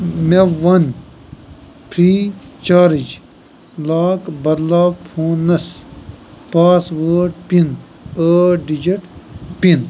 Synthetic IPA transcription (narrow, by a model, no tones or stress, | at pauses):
meʋɐn | pʰɾiːt͡ʃaːɾid͡ʑ | laːkbɐd̪laːbpʰõːnɐs | paːswəːɖpin | əɖid͡ʑɐʈpin